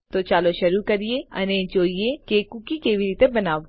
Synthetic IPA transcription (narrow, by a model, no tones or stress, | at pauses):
t̪oːt͡ʃaːloʃɐɾukɐɾieɐ̰nẽːt͡ʃoːiekeːkukikeʋiɾit̪ebɐnaː